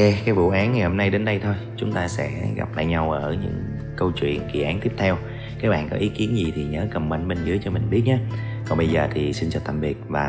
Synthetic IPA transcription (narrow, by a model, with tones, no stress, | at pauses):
ɛ˧kaː˨˦jvṵ˧˨ʔaː˨˦nŋ˨˩jho˧mna˧jɗe˨˦nɗə˧jt̪ʰo˧jt͡ɕʊ˨˦ŋ͡mt̪aː˧sɛ̰˧˥ɣa̰˨˩p̚la̰ː˧˨jɲa˧wʔəː˧˩ɲɨ̰˧˥ŋ | kə˧wt͡ɕwḭ˧˨ənkḭ˧˨ʔaː˨˦nt̪i˦˥əp̚t̪ʰɛ˧w | kaː˨˦jɓa̰ː˧˨nkɔ˨˦ʔi˨˦ki˨˦ənzi˨˩t̪ʰi˨˩ɲəː˨˦kə˨˩mɓə˧nɓe˧nzɨ̰˨˦jt͡ɕɔ˧mï˨˩ŋ̟ɓi˦˥t̚ɲaː˨˦kɔ˨˩nɓə˧jzəː˨˩t̪ʰi˨˩si˧nt͡ɕɔ˧t̪a̰˧˨˩mvi˨˩ət̚vaː˨˩